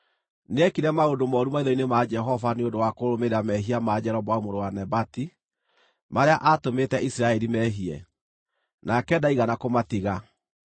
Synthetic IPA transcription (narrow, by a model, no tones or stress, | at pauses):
neɛkiɾɛmaondomɔːɾumaiðɔinemad͡ʒɛɦɔvaneondowakoɾomeɾamɛɦiamad͡ʒɛɾɔbwaomoɾowanɛbati | maɾeaʔatometɛʔisiɾaɛɾimɛɦiɛ̰ | nakɛdaiɣanakomatiɣa